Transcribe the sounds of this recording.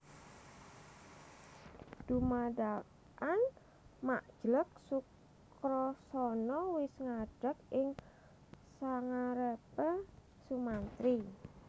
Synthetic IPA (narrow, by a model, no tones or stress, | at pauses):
d̥umada | ʔan | maʔd̥ʒ̥lək̚suk | kɾɔsɔnɔwɪsŋaɖ̥ə̤k̚ʔɪŋ | saŋaɾəpə | sumant̪ɾi